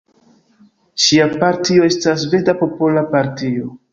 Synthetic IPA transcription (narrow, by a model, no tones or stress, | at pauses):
ʃiapaɾtio̞e̞stasve̞dapo̞po̞lapaɾtio̞